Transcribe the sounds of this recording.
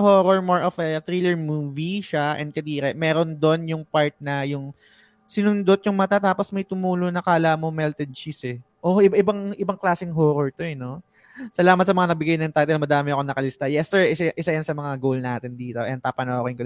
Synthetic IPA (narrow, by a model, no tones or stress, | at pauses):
hoːɾoɹmoɹʔofɐt̪ɾiːlɛɹmuːviʃaʔɛ̰nd̪̚kɐd̪iːɾɛʔmɛːɾond̪o̞njʊŋpaɹt̪̚nɐjʊŋ | sɪnʊnd̪ot̪̚jʊŋmɐt̪at̪aːposmɐjt̪ʊmuːlonɐkaːlɐmo̞mɛlt̪ɛd̪̚t͡ʃisɛʔoʔɪbaʔɪbɐŋʔɪbɐŋklaːsɪŋɦoːɾoɹt̪oɛno̞ | sɐlaːmɐt̪̚sɐmɐŋanɐɡ̚bɪɡajnɐŋt̪aːt̪ɛlɐmɐd̪aːmɪɐkonɐkɐlɪst̪ajɛsɛɹʔɪsɐʔɪsajɐnsɐmɐŋaɡowlnaːt̪ɪnd̪iːt̪o̞ʔɛn̚paːpɐnoɐkojŋkɐl